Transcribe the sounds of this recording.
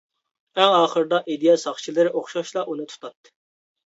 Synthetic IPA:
ɛŋɑːχəɾɨd̪ɑʔed̪ijɑsɑχt͡ʃʰilˠɨɾɪʔoχʃɑʃlˠɑʔunɨt̪ʰu̥t̪ʰɑt̪ːɨ̥

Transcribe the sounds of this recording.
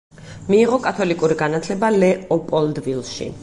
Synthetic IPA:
miːʁɔkʼat̪ʰɔlikʼuɾiɡanat̪ʰlɛbalɛɔpʼɔlˠd̪vilˠʃḭ

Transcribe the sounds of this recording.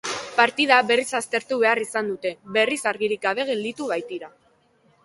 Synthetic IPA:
paɾt̪iðaβe̞risast̪e̞ɾt̪uβe̞arisand̪ut̪e̞βe̞risaɾɣiɾik̚ɡaβe̞ɣ̞e̞ld̪it̪uβajt̪iɾa

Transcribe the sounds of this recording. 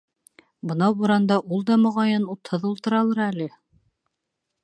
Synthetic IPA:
bɤ̆nɑwuɾɑnd̪ɑʔulˠd̪ɑmŏʁɑjɤnut̪hɤðulˠt̪ɤ̆ɾɑlˠɤɾælɘ

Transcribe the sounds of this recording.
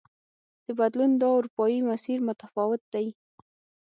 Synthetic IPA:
d̪̥əbad̪lund̪ɑuɾupɑjimasiɾmʊt̪afɑwɪt̪̚d̪aj

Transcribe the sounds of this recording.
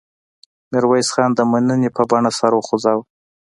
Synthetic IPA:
mɪɾwajsxɑnd̪əmanənepəbaɳasaɾwəxozɑw

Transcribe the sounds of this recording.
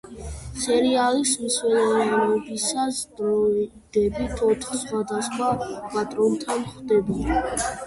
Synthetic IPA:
sɛɾialismswɛlɛɛbisasd̪ɾɔi | d̪̥ɛbit̪ʰɔt̪ʰχsχwad̪asχwapʼat̪ʼɾɔnt̪ʰanχd̪ɛbuli

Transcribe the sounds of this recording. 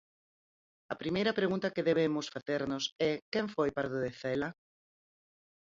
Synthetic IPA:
ɐpɾimejɾɐpɾeɣũnt̪ɐkeðeβ̞emʊsfaθeɾnʊsɛkɛɱfojpaɾðoðeθɛlɐ

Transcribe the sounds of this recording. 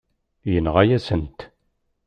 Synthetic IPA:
jənʁajæsənt̪

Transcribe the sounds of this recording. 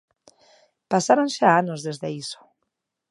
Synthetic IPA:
pasaɾonʃaanozðezðeiso̥

